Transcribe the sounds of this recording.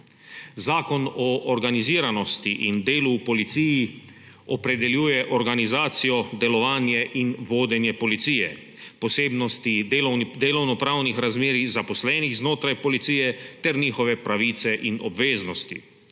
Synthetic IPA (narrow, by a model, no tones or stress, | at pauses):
zaːkɔnɔʔːɾɡaniziːɾanɔst̪iʔind̪eːluːpɔlit̪siːji | ɔpɾɛd̪ɛljuːjɛʔɔɾɡanizaːt̪sijɔd̪ɛlɔʋaːnjɛʔinʋoːd̪ɛnjɛpɔlit̪siːjɛ̰ | pɔseːbnɔst̪ielnd̪eːlɔwnɔpɾaːwnixɾazmeːɾizapɔslɛːniɣznoːt̪ɾajpɔlit̪siːjɛt̪ɛɾniːxɔʋɛpɾaʋiːt̪sɛʔinɔ̰bʋeːznɔst̪ḭ